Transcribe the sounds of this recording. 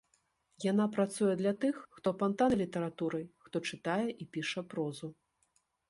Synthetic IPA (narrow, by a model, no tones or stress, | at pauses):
janapɾat̪sujɛd̪lʲat̪ɨxːt̪ɔfant̪anlʲit̪ɐɾat̪uɾɐjxt̪ɔt͡ʂɨt̪ajɛʔipʲiʂɐpɾɔzu